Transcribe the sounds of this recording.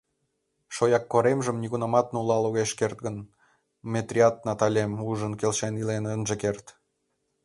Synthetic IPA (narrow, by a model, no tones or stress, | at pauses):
ʃojɑkːoɾemʒə̆mnʲiɣunɑmɑt̪̚nulɑloɣeʃkert̪̚ɡən | mʲet̪rʲiɑt̪̚nɑt̪ɑlʲemuʒənkelʃenilenənʒĕkert̪